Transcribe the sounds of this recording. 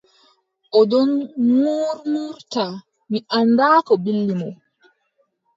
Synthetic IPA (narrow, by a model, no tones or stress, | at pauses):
ʔɔdɔnmuːɾmuːɾta | miʔandaːkɔbilːimɔ